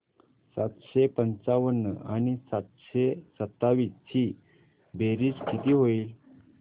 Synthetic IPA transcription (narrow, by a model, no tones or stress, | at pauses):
sat̪ɕepənt͡saʋənːəaɽ̃isat̪ɕesət̪ːaʋiːsiː | beɾiːskʰit̪iːɦoiːl